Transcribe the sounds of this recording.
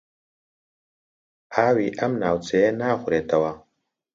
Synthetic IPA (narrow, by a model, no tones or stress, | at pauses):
awiʔamnawt͡seenaxuɾet̪awa